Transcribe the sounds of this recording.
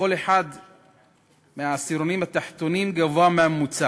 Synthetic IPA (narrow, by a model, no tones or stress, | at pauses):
oleħad̪ | measiɾonimhat̪aħt̪onimɡavoameamːut͡sa